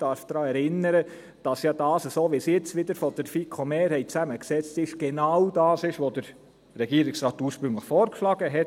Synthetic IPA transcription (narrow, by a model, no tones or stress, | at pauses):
d̥ɑɾfd̥ɾɑːɛɾɪnəɾə | d̥ɑsjɑːd̥ɑːsəsoːʋisjɛt͡sʋɪdəɾfɔd̥əɾfikʰomeːɾhɛɪtt͡sæməksɛt͡stɪʃɡ̥enawdɑːsɪʃʋodəɾ | ɾɛɡ̥iːɾɪksɾɑːtuːɾʃpɾɵŋləxfɔːɾkʃlɑːɡ̥əɦɛt